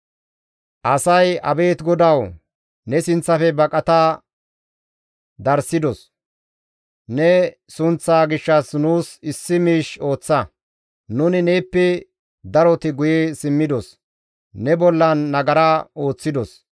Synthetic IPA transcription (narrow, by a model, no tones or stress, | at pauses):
ʔɐsɐjɐ̰be̞ːt̪ɡɔd̪ɐw | nɛsɪnt͡sːɐfɛbɐkʼɐt̪a | d̪ɐɾsɪd̪ɔs | nɛ | sʊnt͡sːaːɡɪʃːɐsnuːsɪsːɪmiːʃo̞ːt͡sːɐ | nʊnɪneːpːɛ | d̪ɐɾɔt̪ɪɡʊjesɪmːɪd̪ɔs | nɛbɔlːɐnːɐɡɐɾaːo̞ːt͡sːɪd̪ɔs